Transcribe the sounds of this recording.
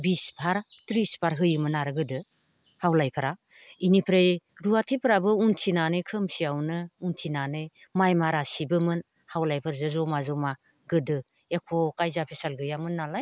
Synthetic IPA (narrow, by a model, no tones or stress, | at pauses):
bispʰaɾtɾispʰaɾɦɯjɯmɯnaɾɯɡɯdɯ | hawlajpʰɯɾa | inipʰɾejɾuatʰipʰɾabɯuntʰinanɯjkʰɯmsiawnɯuntʰinanɯjmajmaɾasibɯmɯn | hawlajpʰɯɾzazɔmazɔma | ɡɯdɯ | ekʰɔkajzapʰisalɡɯjamɯnːalaj